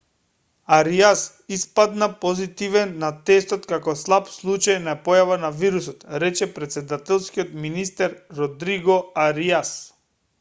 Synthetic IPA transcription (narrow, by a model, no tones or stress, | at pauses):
aɾias | ispad̪napɔzit̪ivɛnːat̪ɛst̪ɔt̪kakɔslˠapslˠut͡ʃajnapɔjavanaviɾusɔt̪ɾɛt͡ʃɛpɾɛt̪sɛd̪at̪ɛlˠskiɔt̪minist̪ɛɾːɔd̪ɾiɡɔaɾias